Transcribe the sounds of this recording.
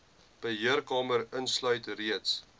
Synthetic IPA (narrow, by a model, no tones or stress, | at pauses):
b̥əɦiərkɑːməɾənslœɥtriəts